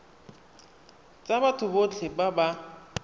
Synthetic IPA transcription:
t͡sʼabatʰʊbot͡ɬʰɪbaba

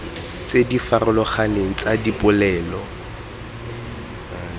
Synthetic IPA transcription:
t͡sedifarʊlɔχaneŋ̩t͡sʼadipʼʊlɛːlɔ

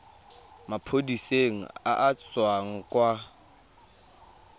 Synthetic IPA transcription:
mapʰodiseŋ̩̰a̰ʔat͡swaŋ̩kʼwa

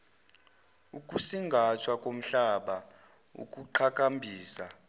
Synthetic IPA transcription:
ukʼusiŋɡʱat͡ʃʰwakʼom̩ɬaɓa | ṵkʼuǃʰakʼambʱiːsa

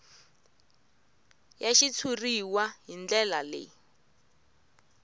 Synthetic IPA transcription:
jaʃit͡sʰuriwaɦind͡ɮɛlalḛ

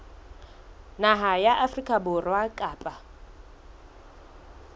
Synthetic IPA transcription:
naɦajaʔafrikʼabʊrwakʼaːpʼa

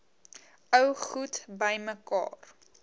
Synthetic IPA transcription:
œwχutbəjməkɑ̰ːr

